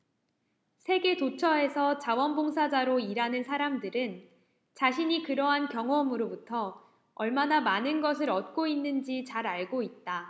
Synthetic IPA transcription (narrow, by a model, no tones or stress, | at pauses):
sʰe̞ɡe̞tot͡ɕʰʌe̞sʰʌt͡ɕawʌnboŋs̬ʰad͡ʑaɾoiɾanɯnsʰaɾamdɯɾɯn | t͡ɕaɕʰiɲikɯɾʌɦankjʌŋʌmɯɾobutʰʌ | ʌɭmanamanɯnɡʌs̬ʰɯɾʌt̚k͈oinːɯnd͡ʑit͡ɕaɾaɭɡoit̚t͈a